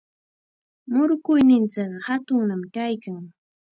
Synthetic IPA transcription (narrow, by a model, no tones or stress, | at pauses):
mʊɾʊkʊjnɪnt͡sɪɢɑhat̪ʊŋnamkajkaŋ